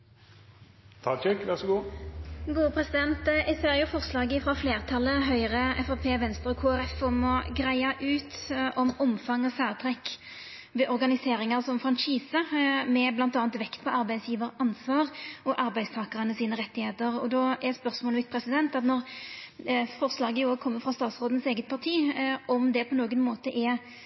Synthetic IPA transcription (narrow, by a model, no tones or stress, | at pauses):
t̪ʰɑt͡ʃɛkʋæʁsɔɡuːɡuːəpʰʁɛsɪd̪ɛnt̪ɪseːʁjʊfɔʁslɑːɡəfɾɑfleːʁt̪ʰɑlːəɦœʏʁəɛfɑpʰeːʋɛnst̪ʁɔkʰuːæɾɛfɔmɔɡʁæɪɑʔʉːt̪ɔmɔmfɑŋːɔfæːʁt̪ʰʁɛkː | ʋɛʔɔʁɡɑnɪseːʁɪŋəʁsɔmfʁɑnʃiːsəmɛblɑnt̪ɑːnt̪ʋɛkt̪pʰɔɑɾbæɪsjiːʋəɾɑnsʋɑːʁɔʔɑɾbæɪst̪ʰɑːkɑʁənəsiːnəʁɛt̪ːɪheːt̪əʁɔ̰d̪ɔɛspœʁsmɔːlʋɪt̪pʰɾʁɛsɪd̪ɛnt̪ɑt̪nɔʁ | fɔʁslɑːɡəoːɡkʰɔmːəfʁɑst̪ɑːt̪sʁoːd̪ən̩seːɡət̪̚pʰɑʁt̪ʰiːɔmd̪ɛpʰɔnoːɡənmoːt̪əʔɛ